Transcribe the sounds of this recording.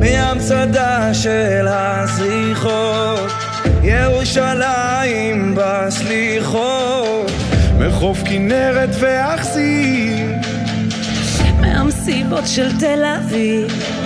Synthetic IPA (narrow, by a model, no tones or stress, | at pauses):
meamsad̪aʃelha | sʁi | χo | t̪ | jeʁuʃala | jimba | sliχo | t | meχofkineʁet̪veaχsi | v | mḛha̰msibotʃelt̪elaviv